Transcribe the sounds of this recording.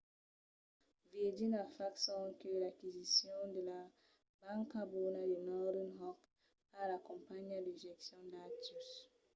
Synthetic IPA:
ved͡ʒinafaksɔ̃ŋkelakizisjɔ̃d̪əla | bãŋkabunadenaɾunɦɔk | alakɔ̃mpaɲadəʒɛksjɔ̃ndatus

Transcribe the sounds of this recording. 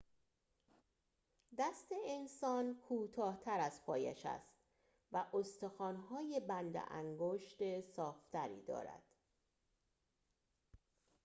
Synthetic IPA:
d̪æst̪e̞ensɒːnkʰuːt̪ʰɒːht̪ʰæɾæzpʰɒːjæ̰ʃæ̰st̪ | væʔost̪exɒːnɦɒːje̞bænd̪ḛʔæ̰ŋɡoʃt̪esɒːft̪ʰæɾḭːd̪ɒ̰ːɾæ̰d̪̥

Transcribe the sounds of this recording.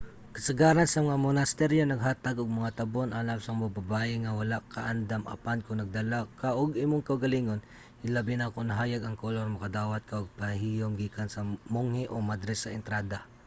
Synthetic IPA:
kɐsɐɡaːɾansɐmɐŋamonast̪ɛɾjonɐɡɦaːt̪aɡʊɡ̚mɐŋat̪ɐbonʔalawsɐŋbababaːʔɪŋawalaʔkaʔand̪ama̰pankʊŋnɐɡ̚d̪alakaʔoɡimʊŋkɐwɡaliŋon | ɪlabɪnakonaɦaːjaɡɐŋkoloɾmʊkad̪aːwat̪̚kaʔoɡ̚paɦijoŋɡiːkansɐmoŋhɪʔomad̪ɾɛsːɐɪnt̪ɾaːd̪a

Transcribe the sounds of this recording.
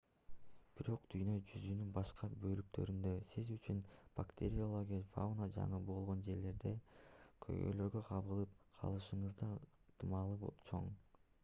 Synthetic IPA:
b̥iɾo̞qd̪̥yjnø̞d͡ʒyzynynbɑʃqɑbø̞lyk̚t̪ʰø̞̰ɾynd̪ø̞sizyt͡ʃʰynb̥akt̪ʲeɾʲiolˠoɡʲifa̰unad͡ʒɑ̰ɴɯbo̞lˠʁo̞nd͡ʒe̞ɾle̞ɾd̪e̞kʰø̰jɡø̰lø̞ɾɡø̞qʰɑβɯlˠɯp̚qʰɑ̰lˠɯʃɯɴɯzd̪ɑɯqt̪ɯmɑlˠɯbot͡ʃʰo̞ɴ

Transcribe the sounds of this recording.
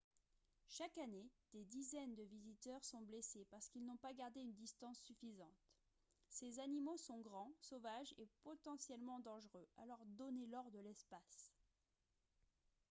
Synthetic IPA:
ʃakaned̪̥ed̪izɛnd̪əvizit̪œʁsɔ̃blesepaʁsə̥kilnɔ̃paɡaʁd̪eynd̪ist̪ɑ̃sːyfizɑ̃t̪ | sezanimosɔ̃ɡʁɑ̃sovaʒepɔt̪ɑ̃sjɛlmɑ̃d̪ɑ̃ʒʁøalɔʁd̪ɔnelɔʁd̪əlɛspas

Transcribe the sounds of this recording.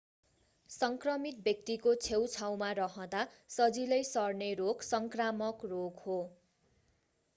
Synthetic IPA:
sʌŋkrʌmit̪̚bjʌk̚t̪ikot͡sʰewt͡sʰaw̃maɾʌɦʌ̃d̪a | sʌd͡zilʌjsʌrneɾoksʌŋkramʌkroɡho

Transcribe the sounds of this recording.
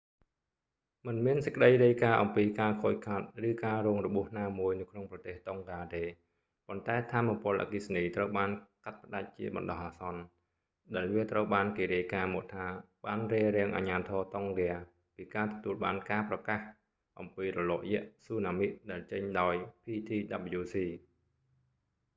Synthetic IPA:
mɨnmiənsə̥̆ckə̆ɗəjriəjkaːʔɑmpiːkaːkʰoːc̚kʰat̪̚rɨːkaːrɔːŋrɔɓuəhnaːmuəjnɨwkʰnoŋprɑt̪eːht̪oŋɡaːt̪eː | pont̪aɛt̪ʰaːmːapʊ̆əlʔa̰kisniːt̪rəwɓaːnkat̪̚pə̆ɗac̚t͡ɕiəɓɑ̰nɗɑhʔaːsɑn | ɗaɛlʋiət̪rəwɓaːnkeːɾiəjkaːmɔəʔt̪ʰaː | ɓaːnriəɾɛ̆əŋʔa̰ːɲaːt̪ʰɔːt̪oŋrɛə | piːkaːt̪ɔ̥t̪uəlɓaːnkaːprɑkah | ʔɑmpiːrɔlɔːʔjɛ̆əʔsuːnaːmiʔ̚ɗaɛlt͡ɕəɲɗaɔjpʰiːt̪ʰiːɗap̚juːsiː

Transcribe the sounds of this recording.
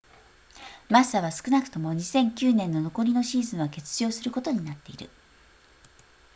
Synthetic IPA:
masaβasɨ̥kɯ̟nakɯ̟̥t̪o̞mo̞ɲ̟isẽ̞ŋkʲɨːnẽ̞nːo̞no̞ko̞ɾʲino̞ɕiːzɨ̃ɰ̃βake̞t͡sɨ̥ʑo̞ːsɨɾɯ̟ko̞t̪o̞ɲ̟inat̪ːe̞ḭɾɯ̟̰

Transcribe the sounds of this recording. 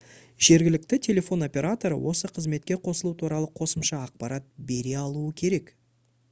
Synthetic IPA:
ʒ̥e̞ɾɡʲɪlɪk̚t̪ɪt̪ʲʰe̞lʲe̞fo̞no̞pʲe̞ɾat̪o̞ɾə̰wʔo̞səqʰəzme̞t̪̚kʲe̞qʰo̞səlˠut̪ʰuɾɑlˠəqʰo̞səmʃɑːq̚pɑɾʔat̪̚be̞ɾe̞ɑlˠuəkʲʰe̞ɾe̞k

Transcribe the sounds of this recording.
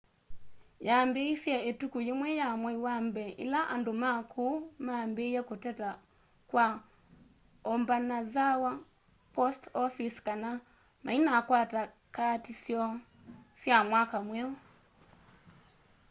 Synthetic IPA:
jambeisjaetukujemwɛjamwɛiwambɛʔḭlaʔandomakʰumambejɛkotɛta | kwa | ɔmbanazawa | pɔstɔfiskana | ma̰inakwata | katisjɔ | sjamwakamwɛu

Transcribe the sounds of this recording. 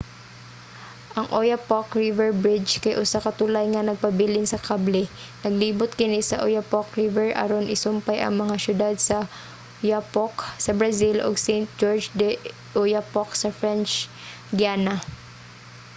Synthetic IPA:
ʔɐŋʔojapokɹivɛɹbɹɪd͡ʒkɐjʔʊsakɐt̪ulajŋɐnɐɡ̚pɐbɪlɪnsɐkʰablɛ | nɐɡliːbʊt̪̚kɪnisɐʔojapokɹivɛɹʔɐ̰ɾonʔɪsʊmpajʔɐ̰ŋmɐŋaʃʊd̪ad̪̚sɐ | japoksɐbɹɐsilʔo̰ɡsɛjnt̪̚d͡ʒoɹd͡ʒd̪ɛ | ʔojapoksɐfɹɛnt͡ʃ | d̪jaːnɐ

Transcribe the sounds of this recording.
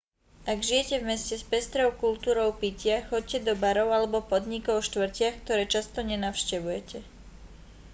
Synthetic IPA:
ʔaɡʒijɛcɛvmɛscɛspɛst̪ɾɔʊkult̪uːɾɔʊpicɪaxɔc̚cɛd̪ɔbaɾɔʊalɛbɔpɔd̪ɲikɔʊʃt̪ʋr̩cɪaxkt̪ɔɾɛːt͡ʃast̪ɔɲɛnaʊʃcɛʋujɛcɛ

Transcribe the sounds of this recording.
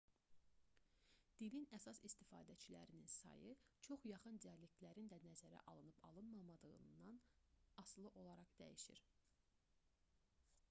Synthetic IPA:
d̪̥ilinæsɑsist̪ifɑːd̪æt͡ʃʰilæ̰ɾininsɑ̰jɯt͡ʃʰo̞χjɑχɯnd̪iɑlek̚t̪læɾind̪ænæzæɾæ̰ʔɑlˠɯnɯpʰɑ̰lˠɯnmɑmɑd̪ɯɣɯ̰nːɑnɑslˠɯʔo̞lˠɑɾɑχd̪æ̰jiʃiɾ

